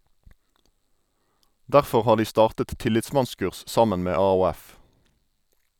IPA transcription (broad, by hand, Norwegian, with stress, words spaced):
ˈdæʁfɔʁ ˈhɑː ˈdiː ˈstɑːʁtət ˈtɪlɪtˌsmɑnˌskʉʁs ˈsɑmən ˈmeː ɑːuːˈæf